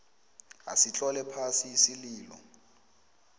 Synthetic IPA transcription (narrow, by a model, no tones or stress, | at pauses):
a̰sit͡ɬʼɔlɛpʰasisiliːlɔ̰